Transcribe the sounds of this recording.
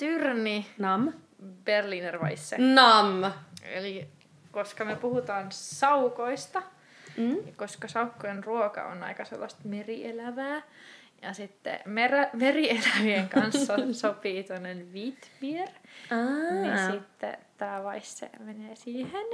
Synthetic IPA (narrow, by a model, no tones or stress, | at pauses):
t̪yrninɑm | b̥erlinerʋɑ̰isːenɑmːḛli | koskɑmyøpuhut̪ɑːnsɑukoist̪ɑ | koskɑsɑukːojenruokɑ̰o̰nɑ̰ikɑsḛlːɑst̪meriʔelæʋæː | jɑsit̪ːḛmeræmerielæʋieŋkɑnsːɑsopiːt̪uonːenʋit̪ʋier | isit̪ːḛt̪æːʋɑisːḛmeneːsiːhen